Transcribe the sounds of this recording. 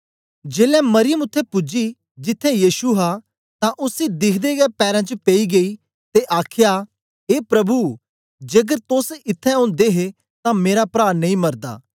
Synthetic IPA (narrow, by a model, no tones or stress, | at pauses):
d͡ʒeːlɛ̃mɐɾɪjəmʊt̪ʰːɛ̃pʊd͡ʒi | d͡ʒɪt̪ʰːɛ̃jiːʃuɦa | t̪ãʔʊsid̪ɪkʰd̪eɡɛpɛːɾãt͡ʃəpeiɡei | t̪eʔaːkʰɪja | eːpɾɐbu | d͡ʒeɡəɾt̪ʊsɪt̪ʰːɛ̃ʊ̃ːnd̪eɦe | t̪ãmeːɾapɾaːɾnɐ̃ĩmɐɾd̪a̰ː